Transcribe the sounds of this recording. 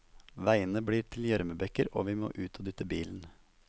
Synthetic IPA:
ʋæɪənəbɽiːʈʰɪl̩jæɾməbɛkəɾo̰ːʋiːmo̰ːʔʉːt̪ʰoːd̪ʏt̪əbiːln̩

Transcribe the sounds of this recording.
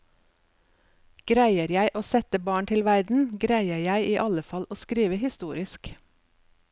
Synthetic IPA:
ɡ̥ɾæɪəɾjæɪʔoːsɛt̪əbɑːɳt̪ʰɪlʋæɾd̪n̩ɡɾæɪəɾjæɪʔiːʔɑləfɑlʔoːskɾiːʋəhɪst̪uːɾɪsk

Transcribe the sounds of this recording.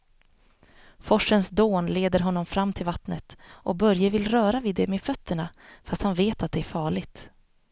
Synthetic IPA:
fɔʂənsd̪oːnleːd̪əɾɦɔnːɔmfɾamːt̪ʰɪlvat̪nət̪ʔɔkbœɾjəvɪlɾœːɾavɪd̪ɛmeːfœt̪ʰːəɳafast̪hanveːt̪at̪̚d̪ɛæɾfɑːɭɪɡt̪

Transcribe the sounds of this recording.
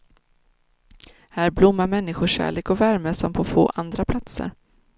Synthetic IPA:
hæːɾblʊmːamɛnːɪɧʊɕæ̰ːɭeːkɔvæɾməsɔmpʰɔfo̰ːʔand̪ɾapʰlat̪sə̰ɾ

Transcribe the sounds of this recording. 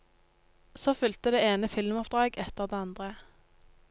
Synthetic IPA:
soːfʏlt̪əd̪eːeːnəfɪlmɔpd̪ʁɑːɡɛt̪əʁd̪eːɑnd̪ʁə

